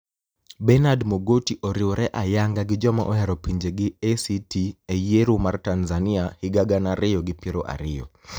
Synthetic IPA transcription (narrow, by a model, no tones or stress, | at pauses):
bɛnadmoɡotiʔoɾɪɔɾɛʔajaŋɡaɡɪd͡ʒɔma̰ʔɔhɛɾɔpiɲd͡ʒeɡɪesitiejeɾumartanzanɪahɪɡaɡanaɾɪjɔɡɪpɪɾɔʔa̰ɾɪjɔ̰